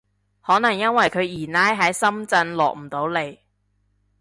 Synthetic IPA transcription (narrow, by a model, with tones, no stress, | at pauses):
hɔː˨˥nɐ˨˩ŋjɐ˥nwɐ˨˩jkʰɵ˨˧ɥjiː˨˩naː˥jɦɐ˨˥jsɐ˥mt͡sɐ˧nlɔ̰ː˨k̚m̩˨˩t̪o˨˥wle˨˧j